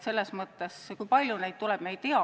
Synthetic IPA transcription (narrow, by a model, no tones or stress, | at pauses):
se̞lːesmɤt̪ːˑeskujpɑlʲjunejt̪̚t̪ulɛb̥me̞jt̪̚t̪eɑ